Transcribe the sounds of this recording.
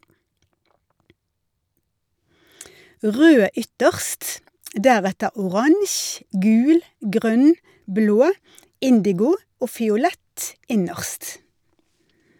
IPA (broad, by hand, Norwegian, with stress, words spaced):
ˈʁøː ˈʏtəʁst ˈdæʁɛtə ʊˈʁɑŋç ˈɡʉːl ˈɡʁœn ˈbloː ˈɪndɪɡʊ ˈoː fɪʊˈlɛt ˈɪnəʁst